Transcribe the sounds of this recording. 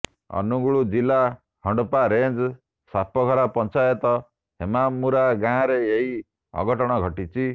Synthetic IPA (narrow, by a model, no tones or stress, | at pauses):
ɔ̰nuɡuɭud͡ʒila | hɔɳɖɔpaɾend͡ʒ | sapʰɔɡʱɔɾapɔnt͡ʃajɔt̪ɔ | ɦemamːuɾaɡãɾeeɦi | ɔ̰ɡɔʈɔɽ̃ɔɡʱɔʈit͡ʃʰi